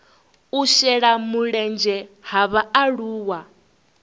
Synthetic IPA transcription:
uʃɛɺamuɺɛnd͡ʒɛɦaβaaɺuːwa

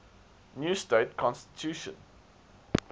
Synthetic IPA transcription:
njuːsteɪtkʰɔ̃nsti̥tʰjuːʃə̰̃n

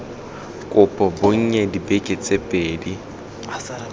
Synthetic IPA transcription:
kʼʊpʼɔboŋ̩ɲɛdibekʼet͡sʼepʼeːdi

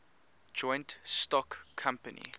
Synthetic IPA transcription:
d͡ʒɔ̃ɪ̃ntstɔkʰːãmpənḭ

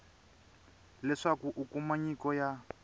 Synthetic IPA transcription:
lɛʂakuʔukumaɲikɔja

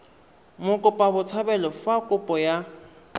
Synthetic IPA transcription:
mʊkʼʊpʼabʊt͡sʰabɛlɔfakʼʊpʼɔja

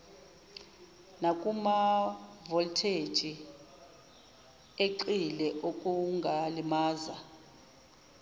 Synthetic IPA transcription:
nakʼumavɔltʰe̥t͡ʃi | eǃilɛʔokʼuŋɡʱalimaːza

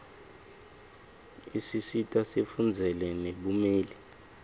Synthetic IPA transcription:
isisitʼasefund͡zʱɛlɛneɓumeːli

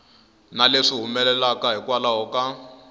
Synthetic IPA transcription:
naleʂiɦumɛlɛlakaɦikwalaɦɔka

